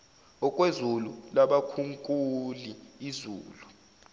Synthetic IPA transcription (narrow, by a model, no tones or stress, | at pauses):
ɔkʼwezululaɓakʰuŋkʼuliizṵːlu